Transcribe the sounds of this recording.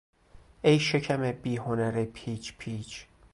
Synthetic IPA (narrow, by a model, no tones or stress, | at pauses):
ejʃecʰæmebiːɦonæɾepʰiːt͡ʃpʰiːt͡ʃ